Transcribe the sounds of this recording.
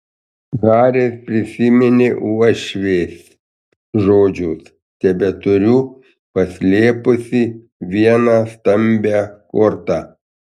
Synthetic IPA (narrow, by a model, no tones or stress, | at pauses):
ɣɑːɾʲespʲɾʲɪsʲɪmʲɪnʲɪʔuɔʃʲʋʲeːsʲ | ʒoːd͡ʒʲʊs | t̪ʲɛbʲɛt̪ʊɾʲuː | pɐsʲlʲeːpʊsʲi | ʋʲiɛnɑːst̪ɐmʲbʲæːkoɾt̪ɑː